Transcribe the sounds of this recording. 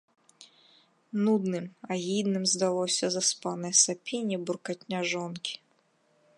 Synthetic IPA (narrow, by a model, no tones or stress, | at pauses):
nud̪nɨmɐɣid̪nɨmzd̪alˠɔsʲɐzɐspanɛjsɐpʲinʲiburkatʲnʲaʐɔnkʲi̥